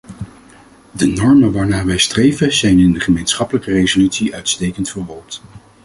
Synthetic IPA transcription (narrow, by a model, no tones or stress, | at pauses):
dənɔɹmənʋaːɹnaːʋɛjstrejvəzɛjnɪndəχəmejnsχɑpələkərejzolytsiʔœɥtstejkəntfərʋɔɹt